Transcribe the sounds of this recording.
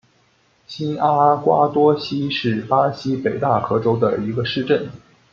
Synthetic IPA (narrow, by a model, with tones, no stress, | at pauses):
ɕi˥na˥kwa˥t̪wɔ˥ɕi˥ʂɻ̩˥˩pa˥ɕi˥pe˨˩ɪt̪a˥˩xɤ˧˥ʈ͡ʂo˥ʊd̪ə̰˨i˧˥ɡə˧ʂɻ̩˥˧ʈ͡ʂə˥˩n